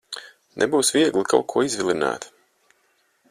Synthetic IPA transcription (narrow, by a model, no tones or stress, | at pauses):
nʔɛ̰buːsvʲiɛɡlˠikʰa̰lˠkʰuɔizvʲilʲˠina̰ːt̪